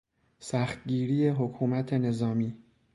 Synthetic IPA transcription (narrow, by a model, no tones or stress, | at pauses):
sæxt̪̚ɟiːɾiːje̞ɦokʰuːmæt̪ʰe̞ne̞zɒːmiː